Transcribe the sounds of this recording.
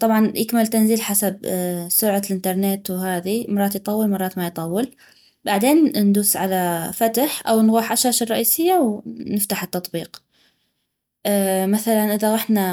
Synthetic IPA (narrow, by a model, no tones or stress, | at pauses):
t̪ˤɑbʕɑnjʔɪkmɪlt̪anziːlħasab̚sʊɾʕalʔɪnt̪ɑɾˤneːt̪wɦaːðimɑɾˤɑːt̪jt̪ˤɑwːɪlmɑrˤɑːt̪majt̪ˤɑwːɪl | baʕd̪eːnnd̪uːsʕalafat̪aħʔawnɣuːħʔaʃaːʃɪrˤːɑʔiːsɪjːawnɪft̪aħɪt̪ːɑt̪ˤbiːq | maθalanʔɪðaɣaħna